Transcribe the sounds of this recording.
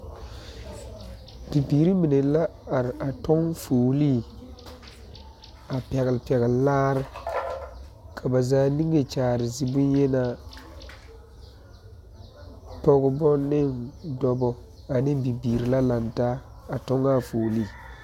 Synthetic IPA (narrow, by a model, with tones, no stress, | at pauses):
bi˨biː˨ɾi˦mi˨ne˨˦la˦a˨ɾɪ˨ʔa˨tɔ˦ŋfoː˨li˦˨ | a˨pɛ˨ɣɪ˨lpɛ˨ɣɪ˨llaː˦ɾɪ˦ | kʰa˨ba˨zaː˦ni˦ŋe˨t͡ʃaː˨ɾɪ˨zi˨bʊ˦n˦jɛ˦na˨ | pɔ˦ɣʊ˦bɔ˦nɪ˦˨ndɔ˦bɔ˨ | a˨nɪ˦bi˨biː˨ɾi˨la˦la˨ntaː˦ | a˨tɔ˦ŋa˦˨foː˨li˦˨